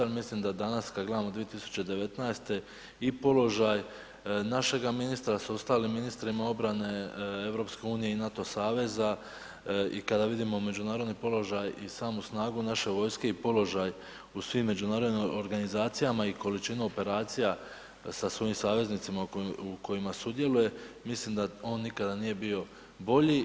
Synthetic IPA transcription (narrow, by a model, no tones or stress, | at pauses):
amislimd̪ad̪anaskad̪ɡle̞d̪amod̪ʋije̞t̪isu̥t͡ɕe̞d̪e̞ʋe̞t̪najst̪e̞ | ipo̞lo̞ʒaj | naʃe̞ɡaminist̪ɾasuost̪aːlimːinist̪ɾimao̞bɾane̞e̞vɾo̞pske̞uːnije̞inat̪o̞saːʋe̞za | ḭkad̪aʋid̪imo̞me̞d͡ʒunaːɾod̪nipo̞lo̞ʒajisaːmusnaːɡunaʃe̞ʋo̞ːjske̞ipo̞lo̞ʒaj | usʋimːe̞d͡ʒunaːɾo̞d̪nio̞ɾɡanizaːt̪sijamaiko̞lit͡ʃinuo̞pe̞ɾaːt̪sija | sasʋo̞jimsaːʋe̞znit̪simaukʰo̞imasud̪je̞luje̞mislimd̪ao̞ːnːikad̪anije̞bio̞ | bo̞ʎi